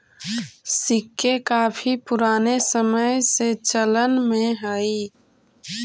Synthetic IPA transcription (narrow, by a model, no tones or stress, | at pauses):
sɪkːekaːpʰipʊɾaːnesəməjset͡ʃələnmẽɦəi